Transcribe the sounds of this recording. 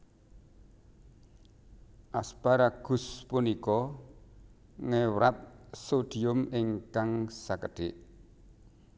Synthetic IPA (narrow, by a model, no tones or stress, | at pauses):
ʔaspaɾaɡ̥ṳspunikɔ | ŋewɾat̪̚sod̪̥i̤ʊmɪŋkaŋsakəɖ̪̥eʔ